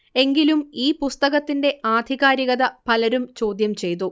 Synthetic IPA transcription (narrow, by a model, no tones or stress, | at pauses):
e̞ŋɡilumiːpust̪ɐɣɐt̪ːinde̞ʔaːd̪ʱiɣaːɾiɣɐðɐpɐlɐɾumt͡ɕo̞ːd̪jɐmt͡ɕe̞jt̪u